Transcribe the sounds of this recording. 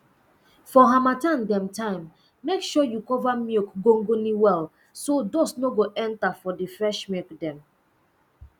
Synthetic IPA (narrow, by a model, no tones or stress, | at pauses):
fɔɦamatãndɛ̃mtãɪ̃mː | ekʃɔjukɔvamikɡõŋɡoniwɛl | sodosnoɡoʔɛ̃ntafɔdifɹɛʃmikdɛ̃m